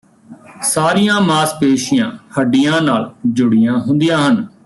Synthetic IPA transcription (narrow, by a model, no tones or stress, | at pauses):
saːɾijãːmaːspeːʃɪjãːhəɖːɪjãːnaːld͡ʒʊɽɪjãːɦʊnd̪ijãːɦən